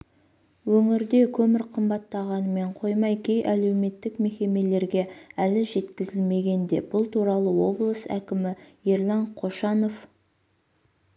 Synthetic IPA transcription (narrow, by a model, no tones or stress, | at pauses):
wɵŋɪɾd̪e̞kʲʰɵmɪɾqʰəmbɑt̪ːɑʁɑnəme̞ɴqʰo̞jmɑjkʲʰe̞jʔæle̞wme̞t̪ːɪkme̞kʲe̞me̞le̞ɾɡʲe̞ælɪʒe̞t̪kʲɪzɪlme̞ɡʲe̞nd̪e̞̰b̥ʊlˠt̪ʰuɾɑlˠəwo̞blˠəsæ̰kʲɪmɪjeɾlˠɑɴqʰo̞ʃɑno̞f